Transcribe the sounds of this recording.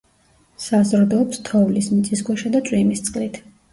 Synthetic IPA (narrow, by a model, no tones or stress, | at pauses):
sazɾd̪ɔːpst̪ʰɔvlismit̪sʼisɡwɛʃad̪at̪sʼwimist̪sʼqʼlit̪ʰ